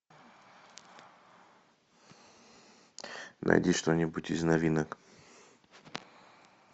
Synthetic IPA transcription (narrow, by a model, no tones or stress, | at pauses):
nʔɐ̰jdʲiʂt̪onʲɪbutʲiznɐvʲinək